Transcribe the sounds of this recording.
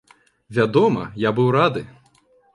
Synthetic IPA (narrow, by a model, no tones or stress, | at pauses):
vʲad̪ɔmɐ̰jabɨwɾad̪ɨ